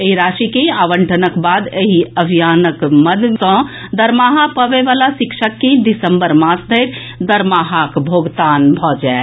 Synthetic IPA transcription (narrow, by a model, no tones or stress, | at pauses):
eiɾasikẽaʋəɳʈʰənəkbad̪eɦiəbʱijanəkməd̪t̪ɔ̃d̪əɾmaɦapəbeʋalasikʃəkːẽd̪isəmbəɾmãsd̪ʱəɪɾ | d̪əɾmaɦakbʱoɡt̪anbʱɔd͡ʒae